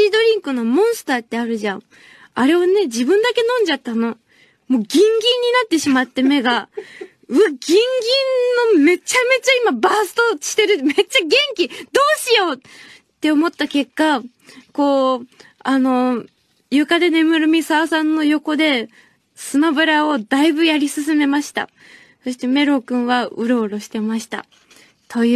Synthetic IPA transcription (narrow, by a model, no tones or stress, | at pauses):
iːd̪o̞ɾʲĩŋkɯ̟no̞mõ̞ɰ̃sɨ̥t̪aːt̪ːe̞aɾɯ̟ʑãɴ | aɾe̞ane̞d͡ʑibɯ̟̃nd̪ake̞nõ̞ɲ̟d͡ʑat̪ːano̞ | mo̞ːɡʲĩŋɡʲĩɲ̟ːinat̪ːe̞ɕimat̪ːe̞me̞ɡa | ɯ̟aɡʲĩŋɡʲĩnnːo̞me̞t͡ɕame̞t͡ɕaimabaːsɨ̥t̪oɕi̥t̪e̞ɾɯ̟me̞t͡ɕaɡẽ̞ŋkʲid̪o̞ːɕijo̞ | t̪ːe̞omo̞t̪ːake̞kːa | ko̞ː | no̞ | jɯ̟kad̪e̞ne̞mɯ̟ɾɯ̟mʲisasãnːo̞jo̞ko̞d̪e̞ | sɨmabɯ̟ɾao̞d̪aibɯ̟jaɾʲisɨs̬ɨme̞maɕi̥t̪a̰ | so̞ɕi̥t̪e̞me̞ɾo̞kɯ̟̃ɰ̃βaɯ̟ɾo̞ːɾo̞ɕi̥t̪e̞maɕi̥t̪a̰ | t̪ʰo̞jɯ